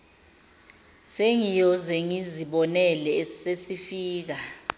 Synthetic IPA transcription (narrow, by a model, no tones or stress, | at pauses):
seŋijɔzɛŋiziɓɔnɛlɛesesifiːk̬a